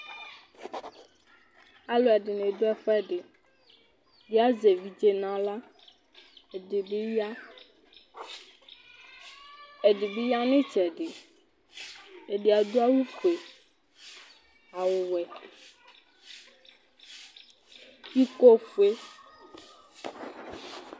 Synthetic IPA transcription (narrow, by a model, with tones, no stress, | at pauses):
a˨lo˨ɛ˨ɖe˨nẽ˨d̪o˦ɛ˦˨ɸɛ˦ɖe˨ | bi˦a˦ze˨vi˨d͡ʒe˦nã˨la˦˨ | e˨˦ | e˨ɖe˨be˦ja˦nẽ˦t͡ʃɛ˨ɖe˨ | e˨ɖe˨a˨d̪o˦a˦wu˦fu˨e˨ | a˨wo˨wɛ˨ | i˦ko˦fu˨˦e˦